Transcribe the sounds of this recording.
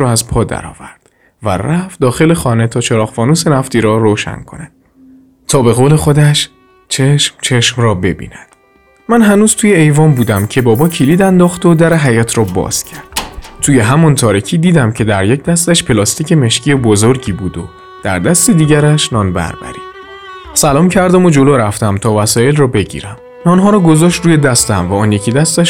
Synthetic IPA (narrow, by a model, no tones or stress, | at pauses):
ɒːæzpʰɒːd̪æ̰ɾɒ̰ːvæɾd̪̥ | væ̰ræf̚d̪ɒːxe̞le̞xɒːne̞t̪ʰɒːt͡ʃʰeɾɒːɣfɒːnuːse̞næft̪iːɾɒːɾoːʃæ̰nkʰo̞̰næd̪̥̚ | t̪ʰɒːbe̞ɣoːle̞xo̞d̪æʃ | t͡ʃʰeʃmt͡ʃʰe̞ʃmrɒːbe̞̰bḭːnæd̪̥ | mænɦænuːz̥t̪ʰuːjeejvɒːmbuːd̪æmcʰe̞bɒːbɒːkcʰiliːd̪ænd̪ɒːxt̪o̞d̪æɾe̞ɦæjɒːt̪ʰɾɒːbɒ̰ːz̥cʰæɾd̪̥t̪ʰuːjeɦæmɒnt̪ʰɒːɾicʰiːd̪iːd̪æmcʰe̞d̪æɾjec̚ʰd̪æst̪æʃpʰe̞lɒst̪iːce̞me̞ʃcʰiebozoɾɟiːbuːd̪o̰ | d̪̥æ̰ɾd̪æst̪e̞d̪iːɟæɾæʃnɒːnbæ̰ɾbæ̰ɾḭːd̥̪ | sælɒːmcʰæɾd̪æmo̞d͡ʒo̞loɾæft̪æmt̪ʰɒːvæsɒːjelrɒːbe̞ɟḭːɾæm | nɒːnɦɒːɾɒːɡo̞zɒːʃt̪ruːje̞d̪æst̪æmvæɒːnjecʰid̪æst̪æʃ